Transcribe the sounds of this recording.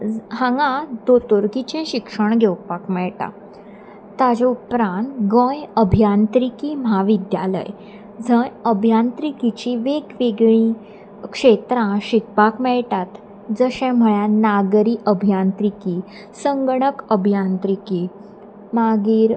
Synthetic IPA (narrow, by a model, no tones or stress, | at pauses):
hãŋɡãd̪ot̪oɾkit͡ɕɛ̃ɕikʂəɳɡʱewpakmɛɭʈã̰ | t̪ːad͡ʑẽupɾãnt̪ɡə̃jəbʱjãnt̪ɾikiːm̤ɦaʋid̪jalə̰j | d͡zʱə̃jəbʱjant̪ɾikit͡ɕiʋeɡʋeɡɭĩ | kʂet̪ɾãɕik̚pakmɛɭʈat̪ | d͡zəɕɛ̃m̤əɭjanaɡɾiːʔəbʱjãnt̪ɾikiː | səŋɡɳəkəbʱjãnt̪ɾikiː | maɡiːɾ